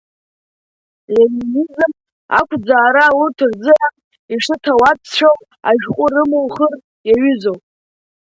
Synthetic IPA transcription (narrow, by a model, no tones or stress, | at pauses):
leminizɨm | a̰kʷʰd͡zaːɾawurtʰɨrd͡zɨʕan | iʂɨtʰawapʰst͡ʃʰow | a̰ʒᶣqʷʼʊrɨmowχər | jaɥʏzowpʼ